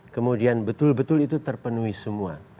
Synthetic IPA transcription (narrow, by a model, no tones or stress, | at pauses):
kəmudianbət̪ʊlbət̪ʊlit̪ut̪ərpənuisəmua̰